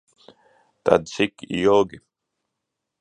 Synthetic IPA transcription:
t̪a̰dsikḭjoːɡi

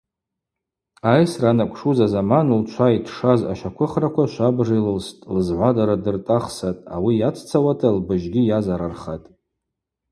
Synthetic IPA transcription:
ajsranakʷʰʼʂuzazamanult͡ʃʷʰaitʰʂaza̰ʃakʷʰʊχrakʷʰaʃʷabʐilɨlstʼlɨzʕʷadaɾadɨrtʼaχsatʼa̰wijat͡sʰt͡sʰawatʰalbɨʒɡʲijazaɾarχatʼ

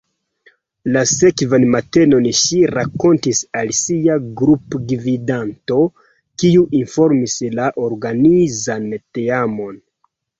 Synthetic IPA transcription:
lase̞kvanmate̞no̞nʃiɾako̞ntisalsiaɡɾupɡvidanto̞ | kiuʔinfo̞ɾmislaʔoɾɡanizanteamo̞n

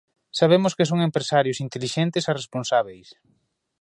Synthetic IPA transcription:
saβ̞emʊskes̬oŋempɾesaɾjʊsint̪eliʃent̪ɪsaresponsaβejs

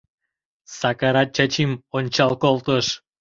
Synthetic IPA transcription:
sɑkɑɾɑt̪̚t͡ɕɑt͡ɕimonʲt͡ɕɑlkolt̪əʃ

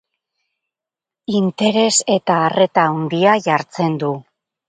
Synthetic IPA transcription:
int̪e̞ɾe̞se̞t̪aːre̞t̪aund̪iaʝaɾt͡se̞nd̪u

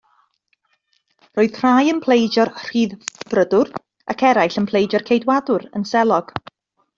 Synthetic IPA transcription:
roːɨð̥r̥aːjənpʰl̥ˠejd͡ʒɔrr̥iːðb̥rədʊr | ʔa̰kʰɛɾajɬənpʰl̥ˠejd͡ʒɔrkʰejdwadʊɾənsɛlˠɔɡ̥

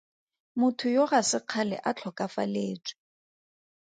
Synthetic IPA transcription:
mʊtʰʊjoɣasɪq͡χʰalɛ̰ʔat͡ɬʰɔkʼafa̰leːt͡ʃʼwi̥

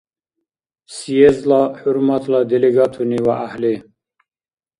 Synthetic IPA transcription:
siezlɑħuɾmat̪ʰlɑd̪eleɡɑt̪ʰuniwaʔahli

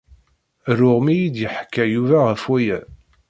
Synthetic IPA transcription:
rʊʁmijid̪jəħkːæjuvæʁəfwæjæ

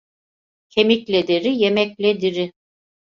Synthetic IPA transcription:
cʰemiclʲed̪eɾijemɛclʲed̪iɾɪ

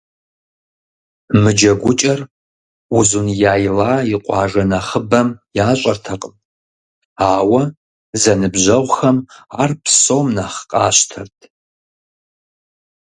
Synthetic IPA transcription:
mɨd͡ʒɐɡʷʊt͡ʃʼɐr | uzunjaːjlaːiqʷʼɑːʒɐnɐχəbɐmjaːɕʷʼɐrtʰɐqʼəmʼ | aːwɐ | zɐnɨbʒʷɐʁʷxɐmaːrpʰsowmnaχqʼaːʃtʰɐrtʰʼ

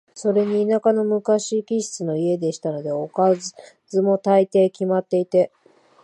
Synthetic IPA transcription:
so̞ɾe̞ɲ̟iːnakano̞mɯ̟kaɕiːkʲiɕi̥t͡sɨno̞ie̞d̪e̞ɕi̥t̪ano̞d̪e̞o̞ka | zɨmo̞t̪ait̪e̞ːkʲimat̪ːe̞it̪e̞

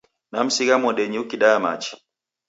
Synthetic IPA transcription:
nam̩siɣamɔɗɛɲiukiɗaama̰t͡ʃi̥

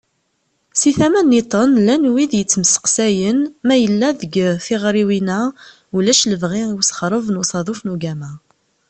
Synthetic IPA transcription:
siθæmænːit̪ˤənlænwiðjət͡sːməsə̥qsæjənmæjəlːæðəɡθɪʁɾiwinæ | ulæʃləvʁiusχɾˤəvnusˤɑðˤufnuɡæmæ

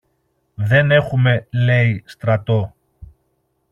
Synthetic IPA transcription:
ðe̞ne̞xume̞le̞ist̪ɾɐt̪o̞

